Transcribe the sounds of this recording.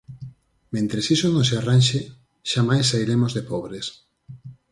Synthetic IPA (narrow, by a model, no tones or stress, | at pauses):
mẽnt̪ɾesisonõŋsearanʲʃe | ʃamajsːaiɾemozðepɔβɾes